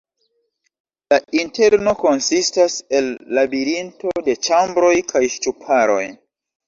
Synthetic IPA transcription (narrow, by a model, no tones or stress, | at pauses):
lainte̞ɾno̞ko̞nsistase̞lːabiɾinto̞de̞t͡ʃambɾo̞jkʰajʃtupʰaɾo̞̰j